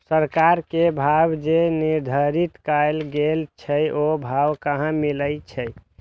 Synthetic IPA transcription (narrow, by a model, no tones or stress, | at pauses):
səɾkaɾkebʱabd͡ʒeniɾd̪ʱəɾit̪kajlɡelt͡ʃʰəjʔobʱawkəɦãmiləjt͡ʃʰəj